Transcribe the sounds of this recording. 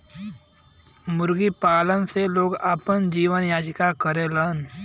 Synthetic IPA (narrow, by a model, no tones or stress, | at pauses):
mʊɾɡipaːlənseloːɡapənd͡ʒiːʋənjaːd͡ʒkakəɾelən